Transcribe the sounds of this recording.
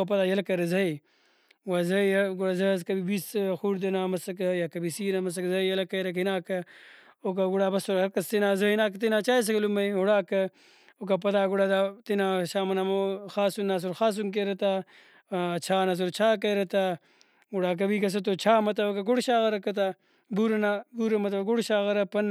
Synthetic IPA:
opɐt̪aːjɐlɐkɐɾɐzɐi | wazɐɡuɽazɐzkɐbibisxuːɽd̪ɐnaːmɐsɐkɐjakɐbisiːnɐmɐs̬ɐkzɐjɐlɐkɐjɾɐkinaːkɐ | ok̬aɡuɽaːbɐsoɾɐkɐst̪enaːzɐinaːkɐt̪inaːt͡ʃaːjs̬ɐklumɐjɦuɽaːkɐ | ok̬apɐt̪aːɡuɽad̪at̪inaːʃaːmɐnamoxaːsunːaːs̬uɾxaːs̬unk̬eɾɐt̪a | t͡ʃʰaːnas̬uɾt͡ʃʰaːk̬ɐjɾɐt̪a | ɡuɽaːk̬ɐbikɐs̬ɐt̪̬ot͡ʃʰaːmɐt̪ɐokaɡuɽɕaːɣɐɾɐkɐt̪̬a | buɾɐnabuɾɐmɐt̪̬ɐbɡuɽɕaːɣɐɾɐpɐn

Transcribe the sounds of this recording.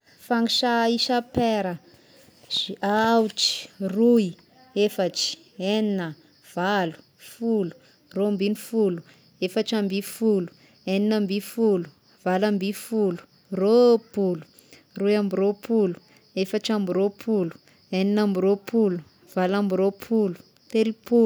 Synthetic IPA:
faŋiʃaisapeɾə | z̥ʔawʈ͡ʂi̥rui | efəʈ͡ʂi̥ | eninə | v̥alu̥ | fulu̥ | rombinifulu | efaʈ͡ʂambifulu̥ | eninəmbifulu̥ | v̥alambifulu̥ | ropulu̥ | rujambiɾopʰulu̥ | efəʈ͡ʂambiɾopʰulu̥ | eninambiɾopulu | v̥alambiɾopʰulu̥ | t̪elipu

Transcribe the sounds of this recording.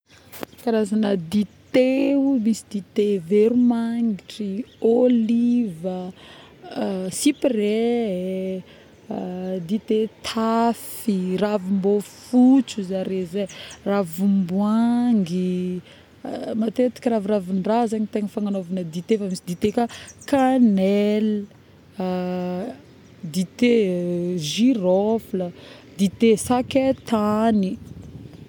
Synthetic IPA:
kaɾazanəd̪it̪emisid̪it̪eveɾumaŋiʈ͡ʂiolivə | sipre | d̪it̪et̪ʰafiravumbofut͡suzaɾezeravumbwaŋɡi | mat̪et̪i̥kʲəɾaviɾavinrazaɲit̪eŋəfaŋanovanəd̪it̪efamisid̪it̪ekakanɛl | d̪it̪e | ʒiɾɔfləd̪it̪esaket̪ani

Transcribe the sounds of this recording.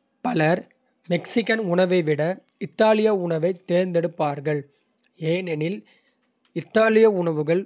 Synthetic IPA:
pɐlɐɾ | mɛksɪkːɐnʊɳɐʋɐɪʋɪɽɐ | ɪt̪ːaːlɪjɐʊɳɐʋɐɪt̪ːeːɾnd̪ɛɽɯpːaːɾɣɐɭ | eːnɛnɪl | ɪt̪ːaːlɪjɐʊɳɐʋɯɣɐɭ

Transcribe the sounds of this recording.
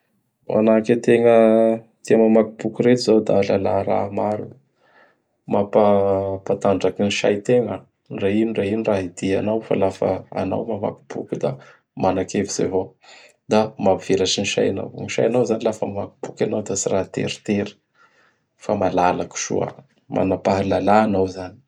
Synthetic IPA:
ʔa̰naket̪eŋə | t̪imamakibukuɾet̪izawd̪alalaɾa̰maɾu | mapapat̪aɳɖ͡ʐakiniʃa̰jt̪eŋa | nrainirainiraɦid̪̥ianawfa̰lafa̰a̰na̰wmama̰ki̥bṵkud̪a | manakeviz̥ḛvo | d̪amavv̥elaʈ͡ʂiniʃa̰jana̰wniʃa̰janawzanilafəmamaki̥b̥ukanawd̪asiɾaɦt̪ḛɾi̥t̪eɾi̥ | famalalaku̥ʃṵa̰ | mʔa̰napaɦalalaːnawzani̥

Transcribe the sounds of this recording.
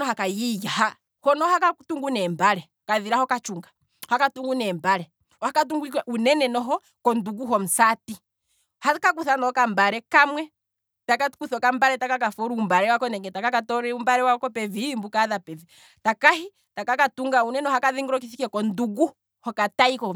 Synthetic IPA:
nɔɦakajijaha | hɔnɔhakatuŋɡunɛmbaɾɛ | ɔkaðiɾahɔkat͡ʃuŋɡḁ | hakatuŋɡunɛmbaɾɛ | ɔhakat̬uŋɡwikɛʔunɛnɛnɔɦɔ | kɔnduɡuɦɔm̩sati | hakak̬uθanɔkambaɾɛkamwɛ | takakuθɔkambaɾɛtakakafɔɾuːmbaɾɛwakɔnɛŋɡɛtakakatɔɾɛumbaɾɛwakɔpɛviimbukaðapɛvi | takahi | takakatuŋɡaunɛnɔhakaðiŋɡuɾɔk̬iθikɛkɔnduɡu | hɔkataikɔ

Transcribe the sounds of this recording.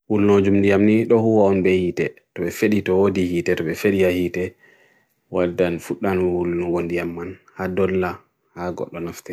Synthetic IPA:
wulnod͡ʒumndijamniɗɔhuwaɔnbɛhiːtɛtɔɓɛfeɗitɔwodihiːtɛtɔɓɛfeɗihahiːtɛ | wadːanfuɗːanwulnuɡɔndijamːanhadɔlːa | haɡɔ̰ɗːɔnaftɛ

